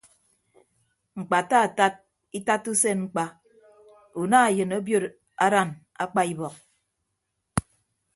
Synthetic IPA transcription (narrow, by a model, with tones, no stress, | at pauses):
ŋ͡m̩˨k͡pa˨ta˦a˨ta˦t̚ | i˦ta˦tːu˦se˦ŋ͡m̩˦k͡pa˨ | u˨na˦a˨jɨ˨no˦bjo˦ɾ | a˦ɾa˦˨n | a̰˦k͡pa˦i˦bɔ˨k̚